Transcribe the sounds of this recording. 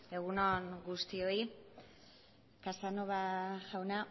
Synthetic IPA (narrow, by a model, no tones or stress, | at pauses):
e̞ɣunoŋɡust̪io̞i | kasanoβaʝawna